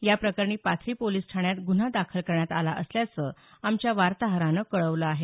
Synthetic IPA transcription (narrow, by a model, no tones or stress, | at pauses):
japɾəkəɾɳiːpat̪ʰɾiːpoliːsʈʰaɳjat̪ɡun̤ad̪akʰəlkəɾɳjat̪alaʔəsljat͡səːamt͡ɕjaʋaɾt̪aɦəɾanəkəɭəʋləaɦe